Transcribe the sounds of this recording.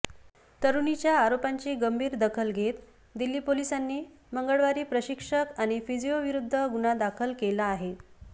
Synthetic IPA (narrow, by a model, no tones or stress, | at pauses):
t̪əɾunit͡ɕjaːɾopaɲt͡ɕiːɡəmbʱiːɾd̪əkʰəlɡʱet̪ | d̪ilːiːpolisanːiː | məŋɡəɭʋaɾiːpɾəɕikʂəkaɽ̃ifid͡ʑioʋiɾud̪ʱːəɡuñad̪akʰəlkelaːɦe